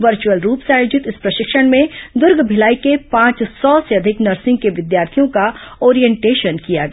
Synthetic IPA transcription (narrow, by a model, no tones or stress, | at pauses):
ʋɐɾt͡ʃuwəlɾuːpsaːjoːd͡ʒɪt̪ɪspɾɐʃɪkʃəɽ̃mẽd̪ʊɾɡʱbʱɪlaːikepãːt͡ʃsɔːseɐd̪ʱɪknɐɾsɪ̃ŋɡ̚keʋɪd̪jaːɾt̪ʰijõkaoːɾijɛ̃ɳʈeːʃənkijaɡɐ